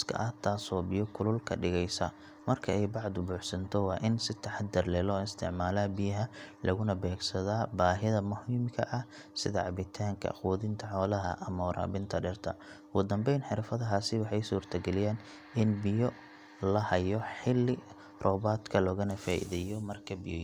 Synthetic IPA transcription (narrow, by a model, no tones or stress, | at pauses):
skʰɐ̰ʔɐht̪ʰaːsɔːbɪjɔkʰʊlʊlkʰɐɖɪɣɛjsɐ | mɐrkʰɐɛjbɑʕd̪ʊbuːħsɐnt̪ʰɔwɑːʔɪnsɪt̪ʰɐħɑd̪ːɐrlɛːlɔːɪst̪ʰɪ̰ʕmaːlaːbɪjɐɦɐlʔɐɣʊnɐbɛːɡsɐðaːbaːɦɪðɐmʊhiːmkʰɐʔɐh | sɪðɐʕɑβɪt̪ʰaːŋkʰɐ̰ʔɐ̰χwɔːðɪnt̪ʰɐħɔːlɐɦɐ̰ʔɐmɔːɾʔa̰ːbɪnt̪ʰɐɖɛrt̪ʰɐ̰ | wʊd̪ɐmbɛjnħɪɾfɐðɐɦaːsɪwɑħɑjsuːrt̪ʰɐɡɛlɪjaːn | ɪnbɪjɔ | lɐhɐjɔħɪlːɪ | rɔːβaːd̪kʰɐlɔːɣɐnɐfaːʔɪ̰ðɛjɔmɐrkʰɐbɪjɔ